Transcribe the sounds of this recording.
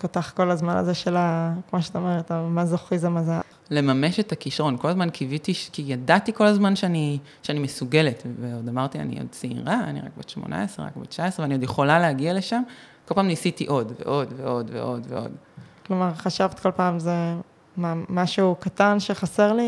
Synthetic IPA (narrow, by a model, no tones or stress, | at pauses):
kotaχko̞lazmana̰zeʃelakmoʃeat̪aomeʁet̪amazoχizemaza | le̞mameʃetakiʃaʁo̞nko̞lazmankivit̪iʃkijadatiko̞lazmanʃeani | ʃeanimesuɡe̞letveo̞damaʁt̪ia̰nḭo̰d̚siḭʁaa̰nḭʁa̰k̚beʃmo̰na̰esʁeʁa̰kbet͡ʃaesʁeveaniodjeχo̞laleaɡialeʃamkolpaːmnisitiʔo̞dvḛʔo̞dveo̞dvḛʔo̞dvḛʔo̞̰dklo̞maʁχaʃavt̪kʰo̞lpaːmze | mamaʃukatanʃe̞χaseʁli